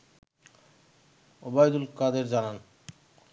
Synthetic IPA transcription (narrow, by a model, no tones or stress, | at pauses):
obajd̪ulkad̪eɾd͡ʑanan